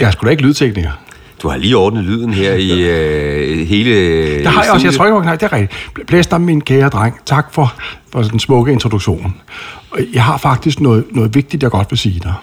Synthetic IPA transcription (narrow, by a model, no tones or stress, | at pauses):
jæsɡ̥ud̥ɑe̝ɡ̥lyːð̞ˠt͡sʰeɡ̥niŋɐ | d̥uhɑ̈liːɒːd̥nəð̩ˠlyðˠn̩heɐ̰i | he̝ːlə̥ehɑ̈jɑɒsjaɪt͡sʰo̝ɐeɡ̥ɒ̥nɑɪd̥e̝æɐʁɛɡ̥d̥i̥b̥ʰlɛsd̥ɑ̈minkʰɛːɐd̥ʁaŋ̰t͡sʰɑ̈ɡ̥fɒ̽fɒ̽d̥ensmɔ̽ɡ̥əe̝nt͡sʰʁod̥uɡ̥ɕo̝̰ːn | jɑ̈ɪɦɑ̈fɑ̈ɡ̥̚d̥isɡ̥nɔ̽ːð̩ˠnɔ̽ːð̩ˠʋe̝ɡ̥̚d̥id̥jɑ̈ɡ̥ɒ̽d̥ʋe̝siːd̥ɑ